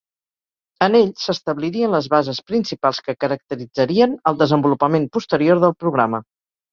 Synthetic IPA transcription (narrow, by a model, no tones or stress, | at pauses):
əneʎsəst̪əβliɾiənləzβazəspɾinsipalˠskəkəɾək̚t̪əɾid͡zəɾiənəlˠd̪əzəmbulupəmempust̪əɾioɾðəlˠpɾuɣɾamə